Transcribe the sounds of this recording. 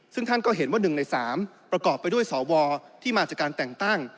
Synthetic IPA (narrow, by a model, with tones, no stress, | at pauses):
sɯ˥˩ŋt̪ʰa˥˩nkɔː˥˩ɦe˩˦nwaː˥˩nɯ˨˩na˧jsaː˩˦mpɾa˧kɔː˨˩pːjdu˥˩əjsɔː˩˦wɔː˧t̪ʰiː˥˩maː˧t͡ɕaː˨˩kːaː˧nt̪ɛ˨˩ŋt̪a˥˩ŋ